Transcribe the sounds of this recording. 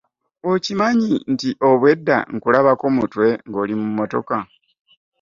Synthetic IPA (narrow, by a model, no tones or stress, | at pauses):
ocimaɲintiʔo̞βwe̞dːa̰ŋkulaβako̞mutwe̞ŋɡo̞ːlimumːo̞to̞̰ka